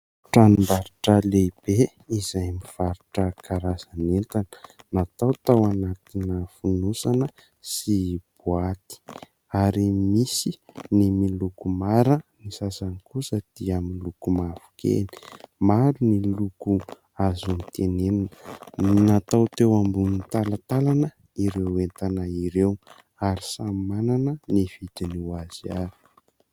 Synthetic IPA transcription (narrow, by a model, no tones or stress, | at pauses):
ʈ͡ʂanimbaɾiʈ͡ʂəleib̥e | izajmiv̥aɾuʈ͡ʂəkaɾazanent̪anə̥nat̪awt̪awanat̪inəfunusanə | sib̥uat̪i̥ | aɾimisinimilukumaɾənisasanikusəd̪̥iaminilukumavu̥kḛni̥maɾuniluku | azunit̪enenanənat̪awt̪ewambunit̪alat̪alanə | iɾewent̪anaiɾew | aɾisamananəniv̥id̪iniwaz̥iaɾi̥